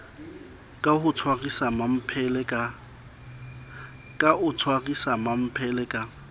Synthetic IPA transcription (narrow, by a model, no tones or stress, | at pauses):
kʼahʊt͡sʰwarisamam̩pʰɛlɛkʼa | kʼaʔʊt͡sʰwarisamam̩pʰɛlɛkʼa